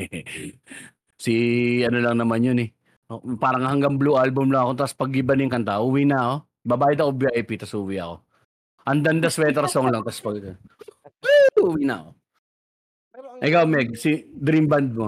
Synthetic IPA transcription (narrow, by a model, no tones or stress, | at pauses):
sɪɐnolɐŋnɐmanjonɛ | paːɾɐŋhɐŋɡɐŋbluʔalbʊmlɐŋɐkot̪ɐspɐɡːɪbɐnɪŋkɐnt̪aʔuwinɐːko̞ | bɐbaːjɪd̪ɐkobjaʔjpit̪ɐsuwiʔɐ̰ko̞ | ʔɐnd̪ɐnd̪ɐswɛːt̪ɛɾɐsoŋlɐŋt̪ɐspɐɡ̪ | uːwinɐ̰ɐ̰ko̞ | ʔɛkawmɛɡ̚sɪd̪ɾimbɐnd̪̚mo